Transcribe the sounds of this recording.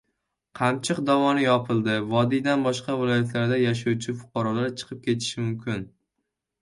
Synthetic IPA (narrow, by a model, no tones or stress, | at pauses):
qʰɑmt͡ʃʰɪqd̪avɒnɪjɒpʰɨlˠd̪ɪvɒd̪ijd̪anbɒʃqɑvɪlˠɒjat̪ʰlaɾd̪ajaʃ̬awt͡ʃʰɪfʊ̥qʰɑɾɒlaɾt͡ʃʰɨ̥qʰɨp̚kʲʰe̞t̪ʰɪ̥ʃɪmʊmkʲʰɪn